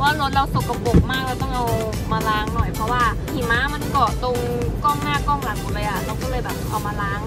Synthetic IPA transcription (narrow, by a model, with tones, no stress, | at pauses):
waː˥˩no˦˥t̪̚ɾa˧wso˨˩kka˧˩mpo˨˩k̚maː˥˩k̚la˧wt̪ɔ˥˩ŋʔa˧w | maː˧laː˧˥˩ŋnɔ˨˩jpʰɾɔ˧˥waː˧˥˩kʰiː˨˩maː˨˧˥ma˧nkɔː˨˩t̪o˧ŋ | kɔː˥˩ŋnaː˥˩kɔː˥˩ŋla˨˩˦ŋkuː˨˩lɤː˧jʔa˨˩ɾa˧wkɔː˥˩lɤː˧jbɛ˨˩t̪ɔ˥˩ʔa˧wmaː˧laː˧˥˩ŋ